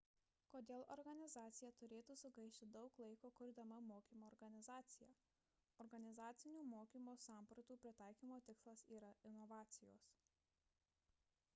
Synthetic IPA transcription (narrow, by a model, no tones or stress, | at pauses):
koːd̪ʲeːlˠɔɾɡɐnʲɪzɑːt̪sʲɪjɛt̪ʊɾʲeːt̪uːsʊɡɐɪʃʲt̪ʲɪd̪ɒʊklˠɐɪkoːkʊɾʲd̪ɐmɐmoːkʲiːmoːɾɡɐnʲɪzɑːt̪sʲɪjɛ | ɔɾɡɐnʲɪzɑːt̪sʲɪnʲuːmoːkʲiːmoːsɑˑmpɾɐt̪uːpʲɾʲɪt̪ɑˑɪkʲiːmoːt̪ʲɪkslˠɐsiːɾɐɪnɔʋɑːt̪sʲɪjoːs